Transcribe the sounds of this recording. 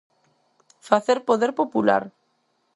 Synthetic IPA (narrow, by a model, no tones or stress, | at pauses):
faθeɾpoðeɾpopula̰ɾ